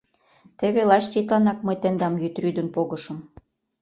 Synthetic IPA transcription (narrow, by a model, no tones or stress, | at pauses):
t̪ĕβelɑt͡ɕt̪ʲet̪lɑnɑk̚mɤjt̪ĕnd̪ɑmjyt̪ryd̪ə̆npoɣɤ̆ʃɤ̆m